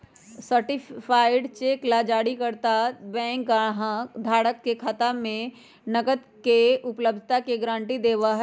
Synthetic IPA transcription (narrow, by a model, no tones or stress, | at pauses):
səɾʈɪpʰaːɪɖt͡ʃeːklad͡ʒaːɽikɐɾt̪abɛ̃ːŋkɡaɦãd̪ʱaːɽəkːekʰat̪amẽ | nɐɡəd̪ | keʊpləb̚d̪ʱt̪akeɡɾãːɳʈid̪eːʋaɦɛ